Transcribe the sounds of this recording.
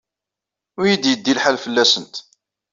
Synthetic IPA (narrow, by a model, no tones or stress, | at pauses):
ʊjid̪jəd̪ːilħalfəlːæsənt̪